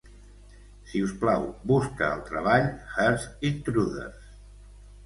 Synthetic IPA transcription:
siusplawbuskə̰ːlˠt̪ɾəβ̞aʎxɛɾzit̪ɾuðə̰rs

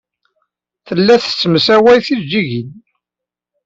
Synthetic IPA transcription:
θəlːæθə̥t͡sːməsæwæjθid͡ʒiʝin

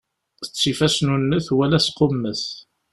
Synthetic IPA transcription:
θə̥t͡sːifæsnunːəθwælæsqːomːəθ

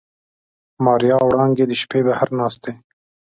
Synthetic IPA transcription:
mɑːɾjɑwɽɑːŋɡed̪əʃpeːbahaɾnɑːst̪e

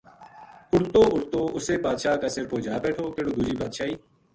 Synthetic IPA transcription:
ʊɽt̪oːʊɽt̪oːʊseːpaːd̪ʃaːkaːsɪɾpoːd͡ʒʱaːpeːʈʰoːkeːɽoːd̪uːd͡ʒiːbaːd̪ʃaːiː

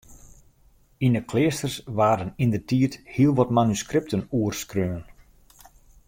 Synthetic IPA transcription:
inəkʰlɪːstərsʋaːdənindərtʰiəthiəlˠʋɔtmanyskrɪp̚tʰənuərskrøːən

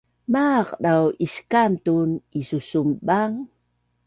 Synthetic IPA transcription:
maqɗawiskant̪ʊnisusʊmbaŋ

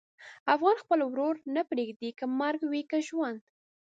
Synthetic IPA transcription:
afɣɑnxpəlwɾoɾnapɾeɡd̪ikəmaɾɡwikəʒwand̪

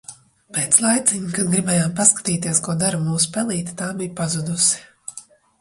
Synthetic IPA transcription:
peːt̪slˠajt̪sʲiɲukad̪ɡɾibɛjaːmpaskḁt̪iːt̪iɛskuɔd̪aɾmuːsu̥pɛlˠiːt̪t̪aːbijupazud̪usi̥

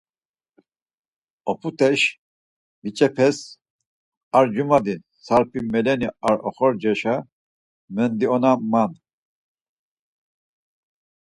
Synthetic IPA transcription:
ɔpʰut̪ʼɛʃ | bit͡ʃʼɛpʰɛs | aɾd͡ʒumad̪i | saɾpʰʼimɛlɛniaɾɔχɔɾd͡ʒɛʃa | mɛnd̪iɔnaman

